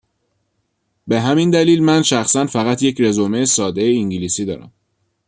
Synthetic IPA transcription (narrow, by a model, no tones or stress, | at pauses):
be̞ɦæmind̪æliːlmænʃæxsænfæɣæt̪ʰjecʰɾe̞zomeːsɒːd̪e̞jeiŋɟilisiːd̪ɒ̰ːɾæ̰m